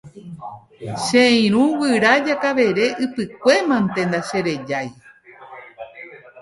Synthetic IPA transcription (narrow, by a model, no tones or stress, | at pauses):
ʃẽĩɾ̃ũwɨɾad͡ʒakaʋe̞ɾe̞ʔɨpɨkʷe̞mãnt̪end̪aʃẽɾe̞d͡ʒaj